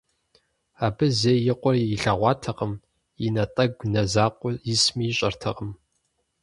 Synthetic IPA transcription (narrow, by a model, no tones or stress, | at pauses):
aːbɨzeːjɪqʷɔrɪɬaːʁʷɑːtʰɐqəm | inɐtʼɐɡʷnɐzaːqʷʼʊjismiːɕʼɐrtʰɐqʼəm